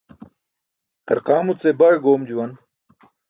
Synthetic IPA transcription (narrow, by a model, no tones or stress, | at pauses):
t̪ɐ̰ɾqaːmut͡sebaɻɡoːmd͡ʑuwɐn